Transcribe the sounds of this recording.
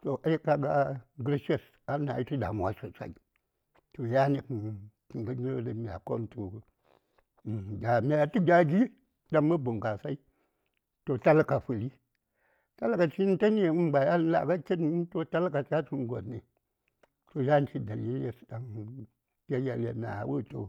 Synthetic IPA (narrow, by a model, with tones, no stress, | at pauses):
to˨ʔa˦ji˦ka˦ɡa˦ɡɾi˦ʃe˦˨s | a˦na̰˨ji˦tu˦da̰˨mʷ˨a̰˨so˨sa̰˨i˨ | to˨ja˦ni˨kkŋ˨ɡə˦ɲ˦o˦də˨mʲ˨a̰˨ko̰˦mto˨ | da˨mʲa˦a˦ti˦ɡʲa˦ɡi˦ | da˦ŋmə˦bu˨ŋka˨sa˦i˦ | to˨ta˦lka˨fɨ˨li˦ | ta˦lka˨t͡ʃi˦n˦te˦ni˦˨˦m˦ɡ͡ba˨ja˦lla̰˨ka˦ki˦n˦to˦ta˦lka˨t͡ʃa˦t͡ʃi˨n˦ɡo̰˨nːi˨ | to˨ja˦n˦t͡ʃi˦da˨li˦le˦˨da˨ŋ | te˦ja˨lḛ˨na̰˨wu˦to̰˨